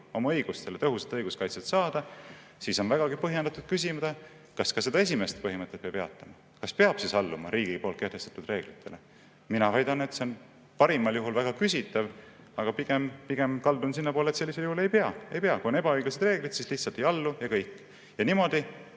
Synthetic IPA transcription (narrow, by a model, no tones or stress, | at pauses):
o̞mɑɤjɡ̥ust̪e̞let̪ɤɦuset̪ːɤjɡ̥uskɑjt̪set̪sɑːd̪̥ɑ | siso̞nvæɡ̥ɑɡipɤɦjed̪ɑt̪ːˑud̪̚kys̬ʲimd̪̥e | kɑskɑse̞d̪̥ɑe̞s̬ʲime̞st̪pɤɦimɤt̪ːˑet̪peɑb̥eɑ̰t̪ːˑɑmɑ | kɑspeɑb̥sisɑlːumɑ̰ɾʔiːɡipo̞lt̪ke̞ht̪e̞st̪ɑ̥t̪ud̪re̞ːɡ̥lit̪ːˑe̞le̞ | minɑvɑjd̪̥ɑne̞t̪se̞on | pɑɾimɑljuɦulvæɡ̥ɑkysʲit̪ːˑɑv | ɑɡ̥ɑpiɡ̥empiɡ̥e̞mkɑld̪unsinːɑpo̞ːlet̪se̞lːisejuhule̞jpeɑe̞jpeɑkuo̞ne̞bɑɤjɡ̥lise̞d̪̥re̞ːɡlid̪̥sisliht̪sɑlt̪ːˑejɑlːujɑkɤjkːˑ | jɑniːmo̞d̪̥i